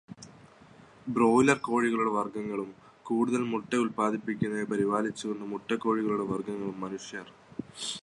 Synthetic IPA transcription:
bro̞ːlɐrko̞ːɻiɣɐɭuɽe̞ʋɐrɡɐŋːɐɭum | kuːɽuðɐlmuʈːɐulpaːd̪ʱipːikʲːunːɐepɐɾiʋaːlit͡ɕːuunːumuʈːɐkːo̞ːɻiɣɐɭuɽe̞ʋɐrɡɐŋːɐɭumːɐnuʂjɐr

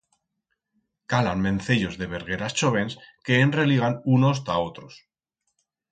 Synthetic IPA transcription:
kalanmẽ̞nθeʎo̞zðe̞β̞e̞ɾɣe̞ɾast͡ʃo̞βe̞nske̞ːnre̞liɣ̞anuno̞s̬t̪ao̞t̪ɾo̞s

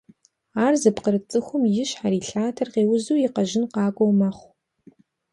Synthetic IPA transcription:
aːrzɨpqəɾɨt͡sʼɨxʷʊmjɪɕħaɾiːɬaːtʰɐrqeːwʊzuːjɪqɐʒɪnqɑːɡʷʼowmɐχʷ

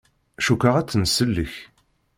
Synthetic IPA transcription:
æʃukəʁæt͡sːənsəlːəç

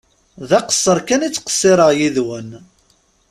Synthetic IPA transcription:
ðæqə̥sˤːəɾˤkænit͡sːqə̥sˤːɪɾˤəʁjiðwən

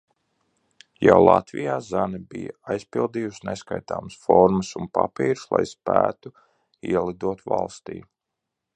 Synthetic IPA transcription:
jawlˠa̰t̪vijaːzanɛbija̰ajspilˠd̪iːjusneskajt̪a̰ːməsfɔɾməsunpapiːɾslˠajspæːt̪u | iɛlˠid̪uɔt̪valˠst̪ḭː

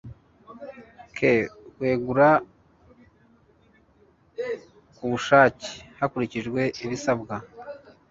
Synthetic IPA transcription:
kʰekwe̞ːɡuɾa | kuβuʃaːce̥hakuɾiciʒɡwe̞iβisabɡa

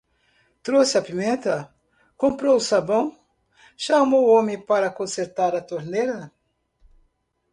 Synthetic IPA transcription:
t̪ɾosɪɐpimẽnt̪ɐ | kõmpɾowʊsabɐ̃w̃ | ʃamowõmẽpaɾɐkõseɾt̪aɾɐt̪oɾneɾɐ

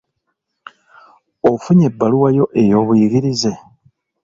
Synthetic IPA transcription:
ofuɲe̞bːaluwajo̞ʔe̞jo̞ːβujiɡiɾize̞

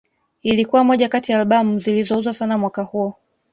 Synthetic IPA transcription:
ilikuwamɔʄakatiaːlɓamuzilizɔuzwasanamwakahuɔ

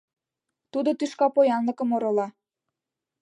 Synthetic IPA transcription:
t̪ud̪ot̪yʃkɑpojɑnlɤ̆kə̆moɾŏlɑ

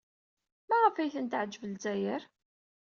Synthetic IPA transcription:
mæʁəfæjθənt̪ʕd͡ʒːəvəlzæjəɾ

